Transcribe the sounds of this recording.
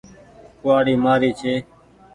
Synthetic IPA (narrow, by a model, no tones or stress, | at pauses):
kʊʋaːɽiːmaːɾiːt͡ʃʰeː